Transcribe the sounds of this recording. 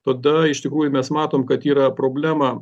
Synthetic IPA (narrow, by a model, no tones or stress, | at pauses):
t̪ɐd̪ɐɪʃt̪ʲɪkɾuːjʊmʲɛsmɑːt̪oːmkɐt̪iːɾɐpɾoːbʲlʲæːmɐ